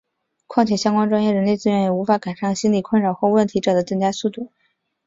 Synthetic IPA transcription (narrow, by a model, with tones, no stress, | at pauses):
kʰwɑ˥˧ŋtt͡ɕʰɛ˥˩ɕjɑ˥ŋkwa˥nʈ͡ʂwa˥ŋjɛ˥˩ɻə˧˥nle˥˧t͡sɹ̩˥ɥɛ˧˥njɛ˨˩u˧˥fa˧˥ka˨˩ɪʂa˥˩ŋɕi˥nli˨˩kʰə˥˩nɻɑ˨˩ʊxwɔ˥˧wə˥˩nt̪ʰi˧˥ʈ͡ʂɤ˨˩d̪ə˦ʈ͡ʂɤ˥˧ŋt͡ɕja˥su˥˧t̪u˥˩